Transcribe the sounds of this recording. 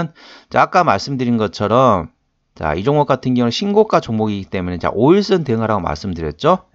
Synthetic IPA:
n | t͡ɕeak͈amaɭs͈ɯmdɯɾinɡʌt͡ɕʰʌɾʌm | t͡ɕa̰id͡ʑoŋʌk͈atʰɯnɡjʌŋuŋeɕʰinɡok͈at͡ɕoŋmoɡiɡit͈e̞menet͡ɕa̰ʔoiɭs͈ɯnteɯŋɦaɾaɡoma̰ɭs͈ɯmdɯɾjʌt̚t͡ɕ͈o

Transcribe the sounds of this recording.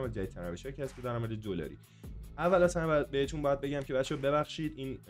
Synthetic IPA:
mæd̪d͡ʒæid̪ʰæɾæveʃɒːcʰiæsed̪æɾɔːmæd̪ed̪olɒ̰ːɾḭː | ævːælæsænb̪̚behet̪ʰuːnbɒjæd̪̚be̞ɟæmcʰeβæt͡ʃʰɔbe̞βæxʃiːd̪iːn

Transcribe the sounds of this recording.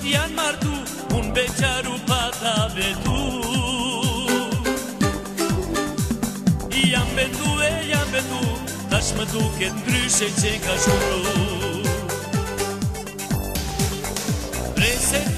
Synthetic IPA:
t̪ianmaɾt̪u | unbet͡ʃaɾupat̪aβet̪u | ijambet̪ueʎambet̪u | t̪asmət̪uket̪̚ɡɾyset͡ʃekasuɾu | pɾese

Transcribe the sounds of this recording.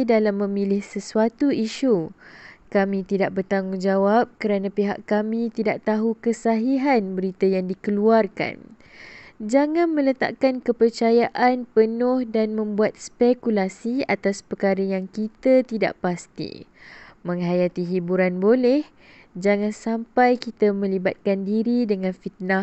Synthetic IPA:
dalamːə̃milɪhsəsuat̪uiʃu | kamĩt̪idaʔ̚bərt̪aŋuŋd͡ʒawap̚kəɾanãpiɦa̰ʔkamĩt̪idaʔt̪aɦukəsaɦiɦanbəɾit̪ajaŋdikəluarka̰n | d͡ʒaŋãnmə̃lət̪a̰ʔkankəpərt͡ʃajaʔanpənʊ̃hdanmə̃mbuat̪̚spɛkulasia̰t̪aspərkaɾəjaŋkit̪at̪ida̰ʔpast̪ḭmə̃ŋɦajat̪iɦibuɾanbolɛh | d͡ʒaŋãnsampajkit̪amə̃libat̪̚kandiɾidəŋãnfit̪̚na

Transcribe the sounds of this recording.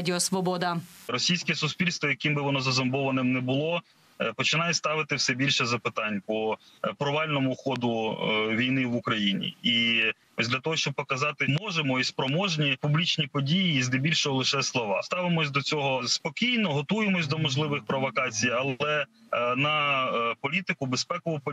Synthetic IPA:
dʲɪɔsʋɔbɔd̪ɐrɔsʲijsʲkɛsʊspʲilʲst̪ʋɔjɐkɪmbɪʋɔnɔzɐzɐmbɔʋɐnɪmnɛbʊlˠɔ | pɔt͡ʃɪnɑjɛst̪ɑʋɪt̪ɪwsɛbʲilʲʃɛzɐpɪt̪ɑnʲpɔpɾɔʋɑlʲnɔmʊxɔd̪ʊʋʲijnɪʋukɾɐjinʲḭi | ɔsʲd̪lʲat̪ɔɦɔʃt͡ʃɔb̚pɔkɐzɑt̪ɪmɔʒemɔispɾɔmɔʒnʲipublʲit͡ʃnʲipɔdʲijiːzd̪ɪbʲilʲʃɔɦɔlˠɪʃɛslˠɔʋɑ̰st̪ɑʋɪmɔsʲd̪ɔt͡sʲɔɦɔspɔkʲijnɔɦɔt̪ujemɔsʲd̪ɔmɔʒlˠɪʋɪxpɾɔʋɔkɑt͡sʲijɐlˠɛ | nɐpɔlʲit̪ɪkʊbespɛkɔʊp

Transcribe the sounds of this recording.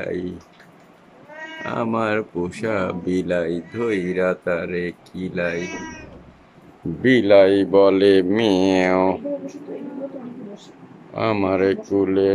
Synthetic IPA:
a̰i | a̰maɾpuʃaːbiːlaːid̪ʱoːiɾat̪aːɾekʰilaːi | bilaːibɔːlemĩeõ | a̰maɾekuːle

